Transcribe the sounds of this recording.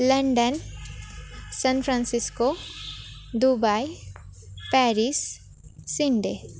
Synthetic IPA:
lɐɳɖən | sɐnpʰɾãnsɪsko | d̪ubaj | pɛːɾisː | iɳɖe

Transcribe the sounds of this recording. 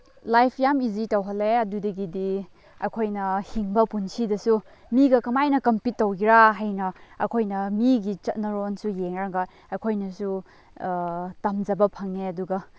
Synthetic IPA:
lajpʰjamizitɐwɦɐleɐdudɐɡidi | ɐ̰kʰojnɐhiŋbɐpunsidɐsu | miɡɐkɐmajnɐkɐmpitːɐwɡiɾaɦajnɐɐ̰kʰojnɐmiɡit͡ʃɐt̚nɐɾonsujeŋɾaŋɡɐ | ɐkʰojnɐsu | tɐmd͡ʒɐbɐpʰɐŋeɐduɡɐ

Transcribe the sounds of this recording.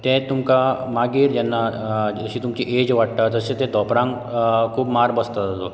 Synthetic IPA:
t̪ɛ̃t̪umkamaɡiːɾd͡ʑɛnːaəɕĩːt̪umt͡ɕiʔed͡ʑʋaʈ̚t̪ad͡z̪əsẽt̪ɛ̃d̪ʱɔpɾãŋɡ | kʰuːbmaɾbəst̪azat̪o

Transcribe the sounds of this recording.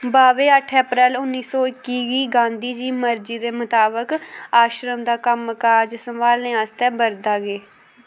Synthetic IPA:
baːʋeːəʈʰəpɾɛːlʊnːiːsɔːɪkːiːɡiːɡãːnd̪iːd͡ʒiːməɾd͡ʒiːd̪eːmʊt̪aːbəkaːʃɾəmd̪aːkəmkaːd͡ʒsəmʋaːlnẽːaːst̪ɛːbəɾd̪aːɡeː

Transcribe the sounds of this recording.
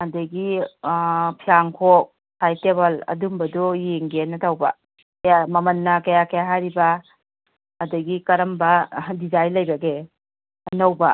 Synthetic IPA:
ɐdɐɡi | pʰiaŋkʰok̚ | tʰajteβɐlɐ̰dumbɐdujeŋɡenɐtʰawbɐ̰ | kjamɐmɐnːɐkɐjakɐjaɦajɾibɐ | ɐdɐɡikɐɾɐmbɐdizajlɐjbɐɡe | nɐwbɐ

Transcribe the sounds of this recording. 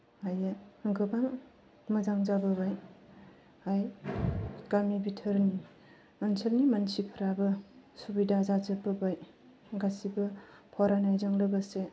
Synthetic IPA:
ajaɡɯbaŋ | məzaŋzabɯbaj | aj | ɡamibitʰəɾni | ənsʰəlnimansipʰəɾabɯsubidazazəbəbaj | ɡasibɯpʰɔɾanajzaŋlɯɡəse

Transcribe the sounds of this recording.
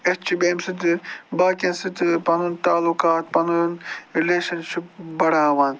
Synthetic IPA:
ett͡ʃʰibeːmsɨt̪̬ɨbaːkʲensɨt̪ɨpɐnunt̪aːlukaːt̪pɐnunɾileːʃɐnʃip̚bɐɽaːʋaːn

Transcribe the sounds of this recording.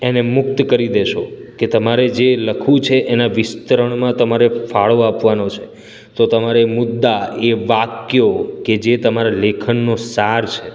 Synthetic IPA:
enemʊk̚t̪kəɾid̪eʃoket̪əmaɾed͡ʒeləkʰũt͡ʃʰeʔenaʋɪst̪əɾəɳ̃mãt̪əmaɾefaɭoapʋanot͡ʃʰe̥ | t̪ot̪əmaɾemʊd̪ːaeʋakjoked͡ʒet̪əmaɾalekʰənːosaɾt͡ʃʰe

